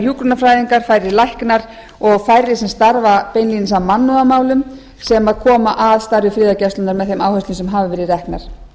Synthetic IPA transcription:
çjuːkɾʏnafɾaːjðiŋkaɾ̥fajɾɪlajhknaɾ̥ | ɔɣfaːjɾɪsɛmst̪aɾvapejnlinsawmanːuamaːwlʏm | sɛmaðkʰɔːmaʔaðst̪aɾjʏfɾɪːðacɛst̪ʏnaɾmɛðθejmawhœsɪnsɛmɦaːvɪvɛːɾɪrɛhkna̰ɾ̥

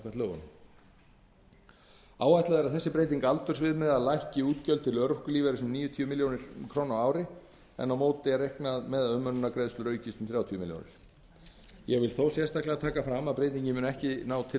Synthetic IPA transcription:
kvɛt̪lœwɣʏ̰n | aːwajt̪laðɛɾaðθɛsːɪpɾejt̪̬iŋkaalt̪ʏɾ̥svɪðmɛðaðlajhcɪuːt̪cœlt̪ʰɪlœɾʏhkʏliːvɛɾɪsʏmniːjʏt̪ʰiʏmɪljownɪɾ̥kʰɾoːwnawaːwɾɪ | ɛ̰nːawmoːwt̪ɪaɾejhknaðmɛðaðœmːœnʏnːakɾeðslʏɾœːɥcɪst̪ʏmθɾjaːwt̪ʰijʏmɪljo̰nɪ̰ɾ̥ | jɛɣvɪlθoːwsjɛst̪ahklɪat̪ʰaːkafɾamːaðpɾejt̪̬iɲcɪmʏːnɛhcɪnaːwt̪ʰɪ

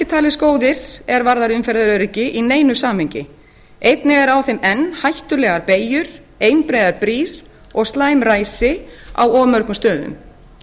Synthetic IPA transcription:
ɪt̪ʰaːlɪskoːwðɪɾ̥ɛɾvaɾðaɾʏmfɛɾðʏɾœɾɪcɪʔineːjnʏsaːmheɲcɪ | ejt̪nɪɣɛɾawθɪmɛnːhajht̪ʏlɛːɣaɾpeːjʏɾ̥ | eːjnpɾeːjðaɾpɾiːɾ̥ | ɔɣst̪laːjmraːjsɪa̰wɔːmœɾkʏmst̪œːðʏ̰m

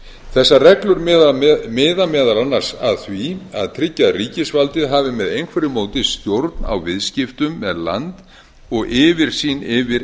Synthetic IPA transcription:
θɛsːarɛklʏɾmɪːðamɛːðalanːar̥saðθvia̰ðt̪ʰɾɪcːariːcɪsvalt̪ɪðɦaːvɪmɛðejnkʰvɛɾɪmoːwt̪ɪðst̪jowɾt̪na̰wvɪðscɪft̪ʏmːɛðla̰nt̪ | ɔɣʔɪːvɪɾ̥siːnɪvɪɾ

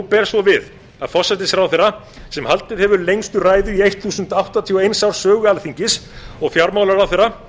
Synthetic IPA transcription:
pɛːɾ̥svɔvɪð | aðfɔ̥sːɛt̪ɪsɾawθera | sɛmhalt̪ɪðhɛvʏɾlejŋst̪ʏraːjðʏiejht̪θuːsʏnt̪awht̪at̪ʰiɔejnsawɾ̥sœːɣʏalθiɲcɪsɔɣfjawɾmaːwlaɾawθerːa

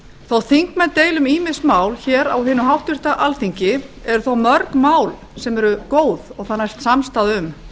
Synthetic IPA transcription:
θowθiŋkmɛnt̪eːjlʏmiːmɪsmaːwlçɛːɾa̰wɦɪːnːʏɦawht̪ɪr̥t̪aʔalθiɲcɪɛɾʏθowmœɾkmaːwl | sɛmɛɾʏkoːwðɔɣθanːajst̪samst̪aðʏm

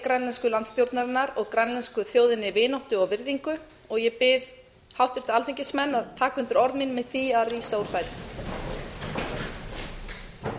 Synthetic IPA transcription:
kɾɛnlɛnskʏlant̪st̪jowɾt̪naɾɪnːaɾɔɣkɾɛnlɛnskʏθjowðɪnːɪvɪːnawht̪ʏɔɣvɪɾðiŋkʏ | ɔɣjɛpɪð | hawht̪ɪɾ̥t̪ɪalt̪ʰiŋcɪsmɛnːaðt̪ʰaːkʏnt̪ʏɾɔɾðminmɛðθiariːsauɾ̥saːjt̪ɪ

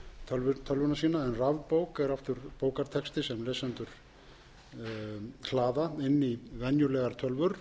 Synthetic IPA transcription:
t̪ʰœlvʏt̪ʰœlvʏnasiːnaɛnravpowkɛɾaft̪ʏɾpoːwkaɾ̥t̪ʰɛkst̪ɪsɛmleːsɛnt̪ʏɾ̥ | kʰlaːðaɪnːivɛnjʏlɛːɣaɾ̥t̪ʰœlvʏɾ̥

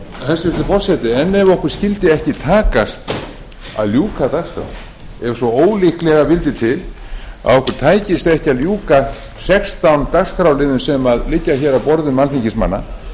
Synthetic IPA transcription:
θɛsʏvɪt̪ɪfɔr̥sɛt̪ɪɛnːɛvɔhkʏɾ̥scɪlt̪ɪɛhcɪt̪ʰaːkast̪ | a̰ðljuːkat̪akskɾa̰w̰ | ɛvsvɔoːwlihklɛɣavɪlt̪ɪt̪ʰɪl | a̰ðɔhkʏɾ̥t̪ʰaːjcɪst̪ɛhcɪaðljuːka | sɛkst̪awnt̪akskɾawlɪðʏnsɛmaðlɪcːaçɛːɾawpɔɾðʏmalθiɲcɪsma̰nːa̰

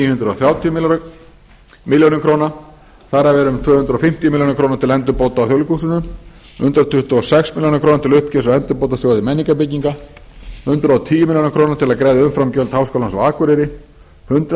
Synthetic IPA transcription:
ijhʏnt̪ɾɔ̰θɾjaːwt̪ʰiʏ | mɪljonɪmkʰɾowna | θaɾavɛɾʏmt̪ʰvœːhʏnt̪ɾɔfɪm̥t̪ijmiljonkʰɾownat̪ʰɪlɛnt̪ʏɾpowt̪aːwθjɔwlɪkʰusʏnʏm | hʏnt̪ɾat̪ʰʏht̪ʏɔsɛksmɪljonakɾoːnat̪ʰɪlʏhpcɛsawɛnt̪ʏɾpowt̪asjowðɪmɛnːiŋkapɪciŋkahʏnt̪ɾaɔt̪ʰiːjʏmɪljonkʰɾownat̪ʰɪlaðkɾɛːjðaʏmfɾamcœlt̪hawskowlansawaːkʏɾɪɾɪ | hʏnt̪ɾ

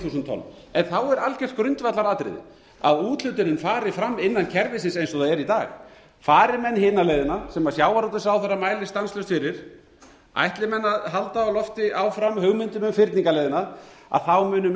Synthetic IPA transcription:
θuːsnt̪ʰɔ̰nː | ɛnθawɛɾalcɛ̥t̪kɾʏnt̪vat̪laɾaːt̪ɾɪ̰ðɪ̰ | a̰ðuːt̪l̥ʏt̪ʏɾɪnfaːɾɪfɾamːɪnːancʰɛɾvɪsɪnsejnsɔðaɛɾit̪aːx | faːɾɪɾmɛnːhɪːnaleːjðɪnasɛmasjaːwaɾɔt̪ʏsawθɛrːamaːjlɪst̪anslœst̪fɪɾɪɾ̥ | a̰jht̪lɪmɛnːaðɦalt̪aɔlɔft̪ɪʔawfɾamːɦœɣmʏnt̪ʏmʏmfɪɾt̪niŋkalɛːjðɪnaa̰ðθawmʏːnʏm

